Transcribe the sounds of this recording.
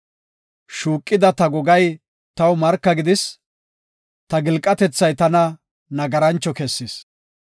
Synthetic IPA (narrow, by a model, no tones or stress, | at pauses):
ʃuːkʼːɪd̪ɐt̪ɐɡɔɡɐj | t̪ɐwmɐɾkːɐɡɪd̪ɪs | t̪ɐɡɪlkʼːɐt̪ɛt͡sːɐjt̪ɐnɐ | nɐɡɐɾɐnt͡ʃːɔkɛsːɪs